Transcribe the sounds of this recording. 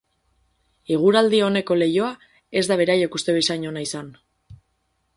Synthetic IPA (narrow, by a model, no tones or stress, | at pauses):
eɣ̞uɾald̪io̞ne̞ko̞le̞jo̞a | e̞zd̪aβ̞e̞ɾajekust̪e̞isaɲo̞naisan